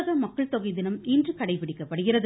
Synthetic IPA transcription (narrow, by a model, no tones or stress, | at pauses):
ɣɐmɐkːɐɭt̪ɔɣɐɪðɪnɐmiːndrɯkɐɽɐɪpɪɽɪkːɐpːɐɽɯɣɪrɐðɯ